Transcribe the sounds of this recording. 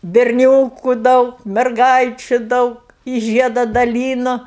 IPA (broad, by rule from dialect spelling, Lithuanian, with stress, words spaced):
bʲɛrʲˈnʲoːkʊ ˈdɐʊk mʲɛrˈɡɐɪt͡ʃʲʊ ˈdɐʊk ɪ ˈʒʲiɛdɐ dɐˈlʲiːnʊ